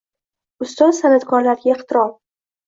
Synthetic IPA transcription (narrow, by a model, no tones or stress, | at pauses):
ʊst̪ɒt̪sanat̪kʰɒɾlaɾɡʲaeχt̪ʰɪɾɒm